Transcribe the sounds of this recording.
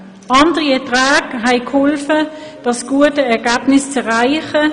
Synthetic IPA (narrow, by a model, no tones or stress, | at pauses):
ɑnd̥əʁiɛɐtʁaːɡɦɛɪkʰhɔlfə | d̥ɑsɡ̥uətəɛɐɡaːbnɪst͡sɛʁaɪχə